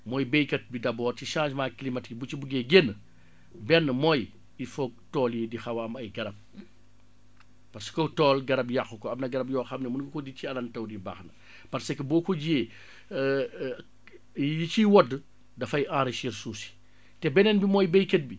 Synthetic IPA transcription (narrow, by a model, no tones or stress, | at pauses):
mɔːjbejkɐt̚bidɐbɔːɾtiʃãːʃmaːklimɐtik̚but͡ʃibuɡeɡenː | bɛnːmɔːj | ifɔk̚tɔːlidixɐwɐmɐjɡɐɾɐb̚ | pɐɾsə̥kɔtɔːlɡɐɾɐbjaxukɔɐmnɐɡɐɾɐbjɔːxɐmnɛmunkkɔdiciɐlɐntɐwdiba̰ːxnɐ | pɐrsɛkːəbɔːkɔɟieː | jit͡ʃiwɔdːə | dɐfɐjãːɾeʃiɾsuːsi̥ | tɛbɛnɛnbimɔːjbejkɐt̚bi